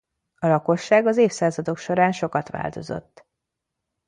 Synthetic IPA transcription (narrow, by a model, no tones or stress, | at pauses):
ɒlɒko̞ʃːaːɡɒzeːfsaːzɒd̪o̞kʃo̞ɾaːnʃo̞kɒt̪ʋa̰ːlt̪o̞̰zo̞̰t̪ː